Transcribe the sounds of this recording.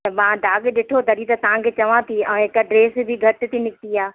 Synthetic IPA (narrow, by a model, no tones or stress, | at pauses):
mãːd̪aːɠɗɪʈʰod̪ɐɾit̪ɐt̪ɐʋ̤ãkʰeːt͡ɕɐʋãt̪ʰiɛ̃ẽɪkɐɖɾeːsbʱɪɡʱɐʈɪ̆t̪ʰinɪkt̪iaː